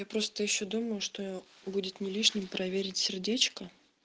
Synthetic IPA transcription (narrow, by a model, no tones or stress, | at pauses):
japɾo̞st̪əjɪɕːod̪uməjʊʂt̪o̞budʲɪt̪nʲɪlʲiʂnʲɪmpɾʔɐvʲeɾʲɪtʲsʲɪrdʲet͡ɕkə